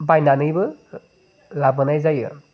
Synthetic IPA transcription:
bajnanɯjbɯ | lab̚ɡɯnajzajɯ̰

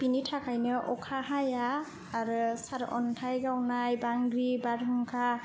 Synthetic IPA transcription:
pinitʰakʰajnɯʔɔkʰaɦajaː | ɾɯsaɾɔ̰ntʰajɡawnajbaŋɡɾibaɾɦuŋkʰa

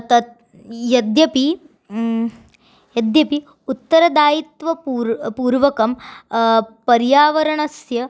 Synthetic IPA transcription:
t̪ɐt̪ | jɐd̪jɐpi | jɐd̪jɐpi | ut̪ːɐɾɐd̪aːjit̪ʋɐpuɾpuːɾʋɐkɐm | pɐɾjaːʋɐɾɐɳɐsjɐ

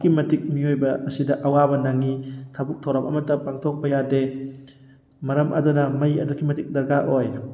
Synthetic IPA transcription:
kimɐtik̚miojbɐɐsidɐʔɐwabɐnɐŋitʰabuk̚tʰɐwɾɐmɐmɐtːɐpaŋtʰok̚pɐjade | mɐɾɐmʔɐ̰dunɐmɐjɐdukʰːimɐtik̚dɐɾɡaʔoj

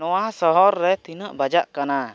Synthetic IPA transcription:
ɔwasɔɦɔɾːɛt̪inəʔbad͡ʒaʔkana

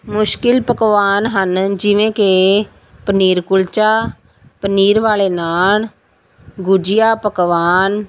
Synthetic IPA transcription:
mʊʃkɪlpəkʋaːnɦənd͡ʒɪʋẽːke | pəniːɾkʊlt͡ʃaː | pəniːɾʋaːleːnaːl | ɡʊd͡ʒɪjaːpəkʋaːn

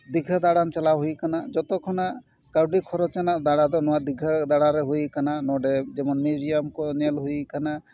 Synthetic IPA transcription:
d̪iɡʱad̪aɽamt͡ʃalawɦujkanad͡ʒɔt̪ɔkʰɔnaʔ | kaɾɖikʰɔɾɔt͡ʃɛnaʔd̪aɽad̪ɔnɔwaʔd̪iɡʱad̪aɽaɾɛɦujkananɔɖɛd͡ʒɛmɔnmizijamkɔnɛlɦujikana

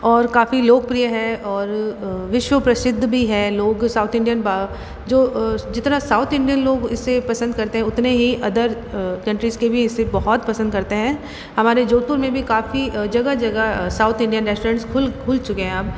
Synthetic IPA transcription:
ɔːɾkaːfiloːɡ̚pɾijəɦɛɔːɾʋɪʃwəpɾɐsɪd̪ʱːbʱiɦɛːloːɡsaːʊt̪ʰɪ̃ɳɖijənba | d͡ʒoːd͡ʒɪt̪nasaːʊt̪ʰɪ̃ɳɖijənloːɡɪsːepɐsə̃nd̪̚kɐɾt̪eɦɛ̃ʊt̪neɦiʔɐd̪əɾ | kɐ̃ɳʈɾizkebʱiɪsːebɐɦɔt̪̚pɐsə̃nd̪kɐɾt̪eɦɛ̃ː | hɐmaːɾed͡ʒoːt̪uɾmẽbʱikaːfid͡ʒɐɡad͡ʒɐɡasaːʊt̪ʰɪ̃ɳɖijənɾɛːsʈoːɾɛ̃ɳʈskʰʊlkʰʊlt͡ʃʊkeɦɛ̃aːp̚

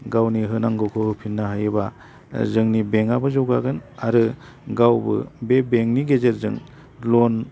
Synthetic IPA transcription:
ɡawniɦɯnaŋɡɯkʰɯhɯpʰinːaɦɯjɯba | zɯŋnibeŋabɯzɔwɡaɡɯnaɾɯ | ɡawbɯ̰bebeŋniɡezeɾzɯŋ | lɔn

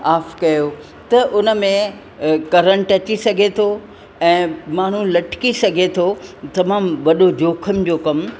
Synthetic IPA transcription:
aːfkɐjo | t̪ɐʔʊnə̆mẽ | kɐɾəɽʈɐt͡ɕisɐɡʱet̪ʰo | ɛ̃ːmaːɳ̤ulɐʈʰkisɐɡʱet̪ʰot̪ɐmaːmʋɐɗod͡ʑoːkʰəmd͡ʑoːkɐm

